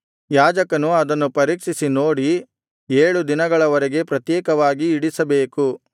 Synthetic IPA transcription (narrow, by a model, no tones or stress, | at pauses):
jaːd͡ʒɐkɐnuɐd̪ɐnːupɐɾiːkʂisinoːɽi | eːɭud̪inɐɡɐɭɐʋɐɾɛɡe̞pɾɐt̪jɛːkɐʋaːɡiːɽisɐbeːku